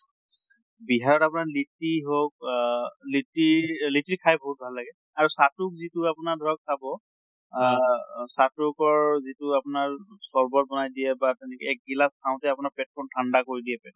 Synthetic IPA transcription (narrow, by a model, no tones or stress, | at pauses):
biɦaɹɔtapʊnaɹlitiɦok̚litilitɹikʰajboɦut̚bʱalːaɡɛ | aɹusatuk̚zitʊapʊnadʱɔɹɔksabɔ | satukɔɹzitʊapʊnaɹsɔɹbɔt̚bɔnajdijɛbatɛnɛkɛɛk̚ɡilastʰãʊ̃tɛapʊnaɹpɛt̚pʰɔmtʰandakoɹidijɛpɛd